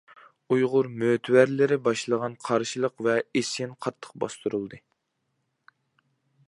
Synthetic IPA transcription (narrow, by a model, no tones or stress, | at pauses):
ujʁʊɾmøt̪ʰwæɾlɪɾɪbɑʃlˠəʁɑnqʰɑɾʃilˠəqvɛesɪnqʰɑt̪ʰːə̥q̚bɑ̰st̪uɾulˠd̪ɨ